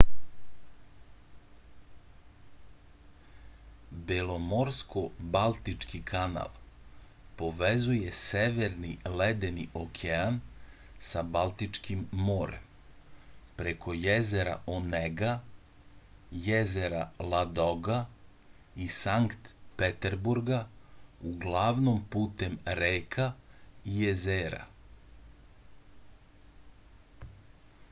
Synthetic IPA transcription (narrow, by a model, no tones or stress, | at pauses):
belomoɾskobalˠt̪it͡ʃkikʰana̰lˠ | po̞ʋezuje̞seʋeɾniled̪eniʔokʰean | sabalˠt̪it͡ʃkimːoɾḛm | pɾe̞kʰo̞jezeɾa̰ʔoneɡa | jezeɾalˠad̪oɡa | isaŋkt̪pet̪eɾbuɾɡauɡlˠaʋnompuːt̪e̞mɾeːkʰaijezeːɾa̰